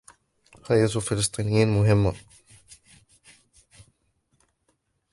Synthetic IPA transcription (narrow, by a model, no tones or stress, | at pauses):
hajat̪fɪlɨsˤt̪ˤiːnɪjiːnmʊɦɪmːa